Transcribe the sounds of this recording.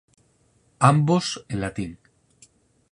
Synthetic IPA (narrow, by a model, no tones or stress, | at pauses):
amboselat̪iŋ